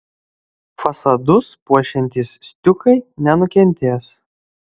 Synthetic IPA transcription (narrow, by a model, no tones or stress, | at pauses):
fɐsɐd̪ʊspuɔʃʲɛnʲt̪ʲissʲt̪ʲʊkɐɪnʲɛnʊkʲɛnʲˑt̪ʲeːs